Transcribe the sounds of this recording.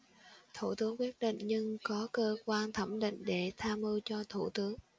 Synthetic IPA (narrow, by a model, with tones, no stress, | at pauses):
t̪ʰu˧˩t̪ɨ˨˦əŋkwi˦˥ət̚ɗḭ˧˨ŋ̟ɲɨ˧ŋkɔ˨˦kəː˧kwaː˧nt̪ʰə˧˩mɗḭ˧˨ŋ̟ɗe˧˩t̪ʰaː˧mɨ˧wt͡ɕɔ˧t̪ʰu˧˩t̪ɨ˨˦əŋ